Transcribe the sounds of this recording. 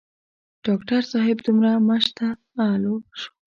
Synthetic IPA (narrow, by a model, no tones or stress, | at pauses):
ɖ̥ɑkʈaɾsɑɦɪbd̪umɾamaʃt̪a | aloʃo̥